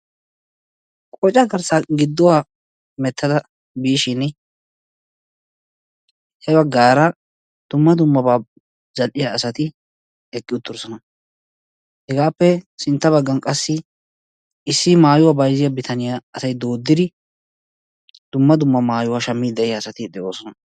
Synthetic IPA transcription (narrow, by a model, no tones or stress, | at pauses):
kʼɔt͡ʃʼːɐɡɐɾsaɡɪd̪ːɔwa | mɛt̪ːɐd̪ɐ | biːʃɪn | hɛbɐɡːaːɾɐ | d̪̥ʊmːɐd̪ʊmːɐbaː | zɐlʔɪjaːsɐt̪ɪ | ɛkʼːɪʊt̪ːʊɾsɔnɐ | hɛɡaːpːɛsɪnt̪ːɐβɐɡːɐnkʼɐsːɪ | ɪsːɪmaːjʊwabɐjzɪjɐbɪt̪ʰɐnɪjaɐsɐjd̪oːd̪ːɪd̪ɪ | d̪̥ʊmːɐd̪ʊmːɐmaːjʊwaʃɐmːid̪ɛʔɪjaːsɐt̪ɪd̪ɛʔoːsɔnɐ